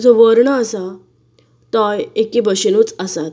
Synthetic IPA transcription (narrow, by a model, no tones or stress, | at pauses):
d͡zɔʋəɾɳəəsa | t̪ɔjekːibəɕenut͡səsat̪